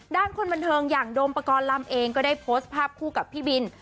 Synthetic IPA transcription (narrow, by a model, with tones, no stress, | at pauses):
daː˥˩nkʰo˧nba˧nt̪ʰɤː˧ŋjaː˨˩ŋdoː˧mpa˧kɔː˧nla˧˩mʔeː˧ŋkɔː˥˩daː˥˩jpʰoː˦˥s̚pʰaː˥˩p̚kʰuː˥˩ka˨˩pʰːiː˥˩bi˧n